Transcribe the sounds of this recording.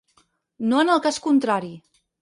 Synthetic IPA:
noənəlˠkaskunt̪ɾaɾi

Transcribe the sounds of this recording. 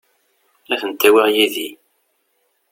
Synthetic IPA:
æθənt̪ːæwæʁjiði

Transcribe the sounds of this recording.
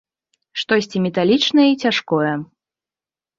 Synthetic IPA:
ʂt̪ɔsʲt͡sʲimʲɛt̪alʲit͡ʂnɐjɐit͡sʲaʂkɔjɛ

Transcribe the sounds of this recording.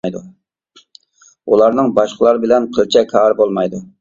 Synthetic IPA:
jd̪ṵ | ulˠɑɾnɨŋbɑʃqʰəlˠɑɾɨbɪlɛnqʰəlˠt͡ʃʰɛkʰɑːɾbolˠmɑjd̪u

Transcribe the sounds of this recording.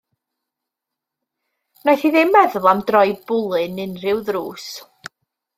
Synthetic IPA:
nɔjθiðɪmːɛðʊlˠamdrɔjbʊlˠɨnɨnrɪwðruːs

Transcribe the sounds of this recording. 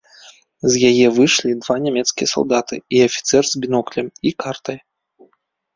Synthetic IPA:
zjajɛvɨʂlʲid̪vanʲamʲɛt̪skʲijɐsa̰lˠd̪at̪ɨiɐfʲi̥t̪sɛrzbʲinɔklʲɐmikart̪ɐj

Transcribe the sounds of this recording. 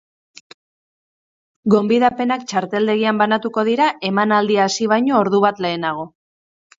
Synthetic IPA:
ɡo̞mbiðape̞nakt͡ʃaɾt̪e̞ld̪e̞ɣiambanat̪uko̞ð̞iɾaʔe̞manald̪iaːsiβ̞ajɲo̞ːɾðuβat̪le̞ːnaɣ̞o̞

